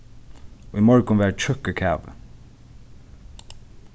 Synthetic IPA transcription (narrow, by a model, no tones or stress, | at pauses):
oːiːmɔɹɡənʋæːt͡ʃʰœkəkʰæːʋə̰